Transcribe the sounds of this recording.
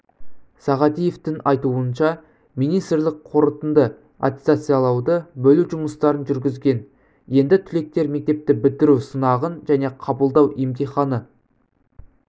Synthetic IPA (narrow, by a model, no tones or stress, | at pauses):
sɑʁɑt̪ije̞ft̪ɪŋɑjt̪uənʃɑ | mijnijst̪ɪrlɪk̚qʰo̞ɾət̪ənd̪ə | a̰t̪ʲe̥t̪sat̪sɨjɑlˠɑwd̪əbɵluʒʊməst̪ɑɾənʒʏɾɡʲɪzɡʲe̞n | je̞nd̪ɪt̪ʰʏle̞k̚t̪e̞ɾme̞k̚t̪e̞p̚t̪ɪbɪlt̪ɪɾuwsənɑʁənʒæne̞qʰɑbəlˠd̪ɑwʔemt̪ijχɑnə